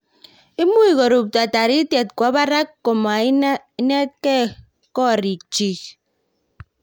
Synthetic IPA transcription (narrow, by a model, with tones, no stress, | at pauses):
i˦mu˦i˨ɣo˨ɾu˨p̚ta˨ta˨ɾi˦tje˨t̚kʷa˨˦ba˦ɾa˦kːo˨ma˨˦i˦ne˦t̚ke˦ | kɔ˦˨ɾi˨t͡ʃi˨